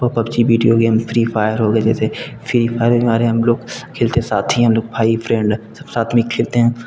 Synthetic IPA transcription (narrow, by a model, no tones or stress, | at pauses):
oːpəbt͡ʃibiːɖijoɡeːmpʰɾiːpʰaːjəɾɦoːɡɛːd͡ʒɛ̰ːsefʰɾiːfʰaːjəɾbɪmaːɾeɦɐmloːɡkʰːeːlt̪eɛ̃saːt̪ʰĩɦəmloːk̚bʱaːipʰɾɛ̃ːɳɖsəbsaːt̪ʰmĩkʰeːlt̪eɦɛ̃ː